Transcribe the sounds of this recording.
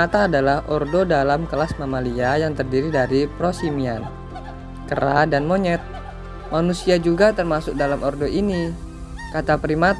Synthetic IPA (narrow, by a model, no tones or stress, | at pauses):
at̪aːdalahʔɔrdodalamkəlasmamaliajaŋt̪ərdiɾidaɾipɾosimian | kəɾadanmoɲɛt̪̚ | manusiad͡ʒuɡat̪ərmasʊk̚dalamɔrdoʔini | kat̪apɾimat̪